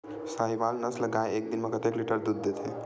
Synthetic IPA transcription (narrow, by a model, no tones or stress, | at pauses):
saɦibalnəsləɡajek̚d̪inmekət̪ekliʈəɾd̪ud̪ːet̪ʰe